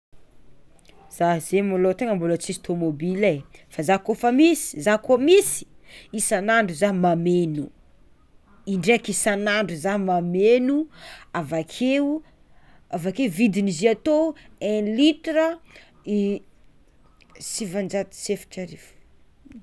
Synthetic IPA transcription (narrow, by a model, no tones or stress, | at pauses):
z̥az̥emolot̪eŋəmbulət͡sist̪omobilefazakofəmisi̥zakomisi̥ | isanaɳɖ͡ʐuzaɦmamenu | iɳɖ͡ʐekisanaɳɖ͡ʐuzaɦmamenuavakʰeu | avakeuvid̪iniziat̪oɛ̃lit̪ɾə | i | sivand͡ʒat̪i̥sefi̥ʈ͡ʂaɾif